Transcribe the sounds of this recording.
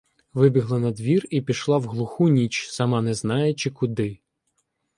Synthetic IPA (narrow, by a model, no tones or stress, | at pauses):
ʋɪbʲiɦlˠɐnɐd̪ʋʲiripʲiʃlˠɑwɦlˠʊxunʲit͡ʃsɐmɑnɛznɑjɛt͡ʃɪkʊd̪ɪ